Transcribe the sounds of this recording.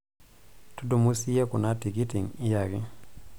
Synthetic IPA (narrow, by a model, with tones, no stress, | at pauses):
tu˦du˨mu˦si˦e˦kʊ˨na˦ti˨ki˦ti˨ŋɪ˦ja˨ɡɪ˦